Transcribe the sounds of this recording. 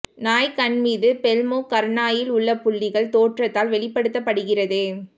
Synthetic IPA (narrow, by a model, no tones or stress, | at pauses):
naːjkɐɳmiːðɯpɛlmoːkɐɾɳaːjɪlʊɭːɐpʊɭːɪɣɐɭt̪oːʈrɐt̪ːaːlʋɛɭɪpːɐɽɯt̪ːɐpːɐɽɯɣɪrɐðɯ